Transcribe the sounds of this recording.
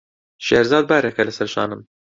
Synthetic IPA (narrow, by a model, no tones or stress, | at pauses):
ʃɛːɾzɑːd̪̚bæːɾɛkɛlɨsɛɾʃɑ̰ːnɨm